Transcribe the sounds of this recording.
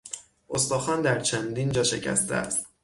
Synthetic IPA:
ʔost̪ɒːxɒːnd̪æɾt͡ʃʰænd̪ind͡ʒɒːʃe̞̰cʰæ̰st̪ʰḛæst̪

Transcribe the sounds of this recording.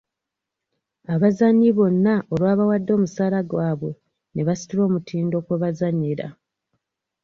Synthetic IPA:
aβazanːiβo̞nːaʔoɾwaːβawadːo̞ːmusaːlaɡwaːβo̞ | ne̞βasi̥tilo̞ːmutʰiːndo̞kweβazaɲːiɾa̰

